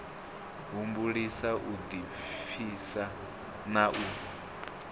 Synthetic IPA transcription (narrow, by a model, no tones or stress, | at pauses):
ɦumbuɺisaʔud̪i | fʰisa | naʔu